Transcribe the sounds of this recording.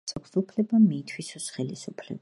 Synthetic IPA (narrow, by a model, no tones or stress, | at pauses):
sʼɔkʰsupʰlɛbamiːt̪ʰwisɔsχɛlisupʰlɛ̰b